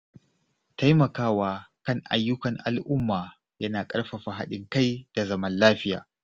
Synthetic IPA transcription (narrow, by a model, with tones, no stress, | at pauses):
ta˦jmɐ˨kaː˦waː˦kɐ˦ŋʔa̰˨jːʊ˦kɐ˨ŋʔa̰˨lʔʊ˦mːaː˨ | jɐ˦naː˨kʼɐ˦ɽɸa˨ɸa˨ɦa̰˦ɗɪ˦ŋka˦jd̥a˨zɐ˦mɐ˦nlaː˦ɸɪ˦ja̰ː˨